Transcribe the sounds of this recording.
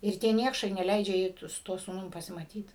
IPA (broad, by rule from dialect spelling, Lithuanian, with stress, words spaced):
ɪr ˈtʲiɛ ˈnʲiɛkʃɐɪ nʲɛˈlʲɛɪd͡ʒʲɛ ˈjɛɪ tʊ sʊ ˈtuɔ suːˈnʊm pɐsʲɪmɐˈtʲiːt